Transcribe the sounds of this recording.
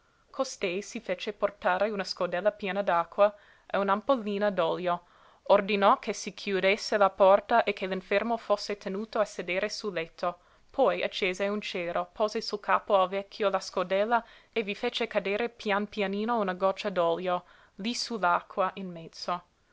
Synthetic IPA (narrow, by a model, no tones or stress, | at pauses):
kʰost̪ɛjsifet͡ʃeport̪aːɾeunaskod̪ɛlːapjeːnad̪akʰːwa | ʔeunampolːiːnad̪ɔljo | ord̪inɔkʰesikʰjud̪esːelapɔrt̪aʔekʰːeliɱfɛrmofosːet̪ʰenuːt̪oased̪eːɾʔesulːɛt̪ʰːo | pʰɔja̰t͡ʃːeːzeunt͡ʃeːɾopʰoːzesulkaːpoalvɛkʰːjolaskod̪ɛlːaevifet͡ʃekad̪eːɾepjanpjaniːnounaɡɔt͡ʃːad̪ɔljo | lisulakʰːwaʔinmɛtd̪so